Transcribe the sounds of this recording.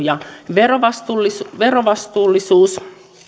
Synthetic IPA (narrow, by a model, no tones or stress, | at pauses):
jɑʋeroʋɑst̪ulːiʋeroʋɑst̪uːlːisuːs